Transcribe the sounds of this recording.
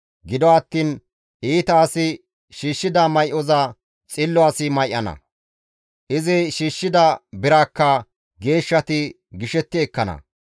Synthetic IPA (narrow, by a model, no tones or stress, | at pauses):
ɡɪd̪ɔɐt̪ːiːn | ʔiːt̪ɐːsɪ | ʃiːʃːɪd̪ɐmɐjʔɔzɐ | t͡sʼɪlːɔaːsɪmɐjʔɐnɐ̰ | ʔɪzɛʃiːʃːɪd̪ɐbɪɾaːkːɐ | ɡe̞ːʃːɐt̪ɪ | ɡɪʃɛt̪ːɪɛkːɐnɐ̰